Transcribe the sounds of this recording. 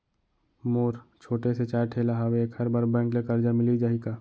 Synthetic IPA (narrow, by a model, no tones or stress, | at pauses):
moːɾt͡ʃʰoːʈeset͡ʃaːɾʈʰelaɦaweeːkɐɾbaːɾbɛ̃ːŋklekɐɾd͡ʒamɪlid͡ʒaːɦikaː